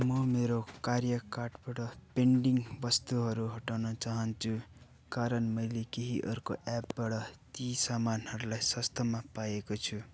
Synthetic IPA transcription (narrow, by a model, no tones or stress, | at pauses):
mʌmeɾokarjʌkarʈbaʈʌpeɳɖiŋbʌst̪uɦʌɾuɦʌʈawnʌt͡saɦʌnt͡sʰu | kaɾʌnmʌjlekeɦiʔʌrko̰ʔapbaɽʌt̪isamanɦʌɾulajsʌst̪ʰʌmapajekot͡sʰu